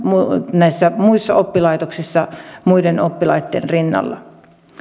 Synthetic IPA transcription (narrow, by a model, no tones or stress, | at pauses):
munæisːæmuisːɑopːilɑit̪oksisːɑmuidenopːilɑit̪ːḛnrinːɑ̰lːɑ̰